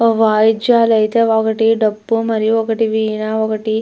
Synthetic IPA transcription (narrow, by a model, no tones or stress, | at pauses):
ʋaːjd͡ʒjaːlɐjt̪eʋaɡɐʈiɖɐbːumɐɾijoɡɐʈiʋiːnaʋoɡɐʈi